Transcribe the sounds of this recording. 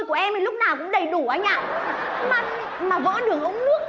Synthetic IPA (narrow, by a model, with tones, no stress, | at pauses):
jku˧˨˩əʔɛ˧mti˨˩lʊ˦˥k͡p̚naː˨˩wkʊ̰˧˥ŋ͡mɗə˨˩jɗu˧˩ʔaː˧˩ɲa̰ː˧˨˩maː˨˩ | maː˨˩vɔ̰˧˥ɗɨ˨˩əŋʔə˧wŋ͡mnɨ˦˥ək̚